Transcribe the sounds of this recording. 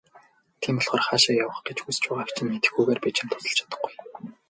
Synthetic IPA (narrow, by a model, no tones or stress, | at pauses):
t̪ʰiːmpɔɮχɔːrχaːʃaːjawə̆χɡet͡ɕxust͡ɕʊːʁaw̥t͡ɕɪ̆nmet̪ɘ̆xɡujɣeːrpit͡ɕɪ̆mt̪ʰʊ̥sɞ̆ɮt͡ɕʰḁt̪ə̥̆χɡuj